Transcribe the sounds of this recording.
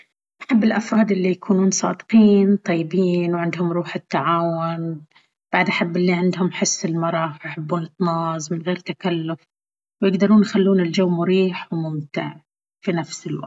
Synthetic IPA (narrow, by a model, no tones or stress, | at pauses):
ʔaħabːɪlʔafɾɑːd̪ʔɪlːijakʰuːnuːnsˤɑ̰ːd̪qiːnt̪ˤɑjːɪbiːnwʕɪnd̪hʊmɾuːħɪt̪ːaʕaːwʊn | b̥aʕd̪ʔaħabːɪlːiʕɪnd̪hʊmħɪsːɪlmɑɾˤɑwjħɪbːuːnɨt̪nɑːzˤmɪnɣeːɾt̪akalːʊf | wjɪɡd̪ɑɾˤuːnjxalːuːnɪld͡ʒawːmʊɾiːħwmʊmt̪ɪ̰ʕ | finafsɪlwa̰ɡ̚t̪